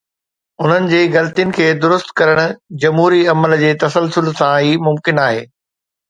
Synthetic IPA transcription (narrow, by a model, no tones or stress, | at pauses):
ʊn̤ənɪ̆d͡ʑeːɣɐlt̪ijənɪ̆kʰeːd̪ʊɾʊst̪kɐɾəɽ̃ʊ̆d͡ʑɐmɦuːɾiɐməld͡ʑeːt̪ɐsəlsʊlsãɦiːmʊmkɪnaːɦeː